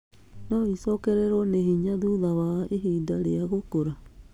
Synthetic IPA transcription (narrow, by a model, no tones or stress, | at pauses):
nɔisɔkɛɾɛɾɔnehiɲaðuðawaeɦidaɾeaɣokoɾa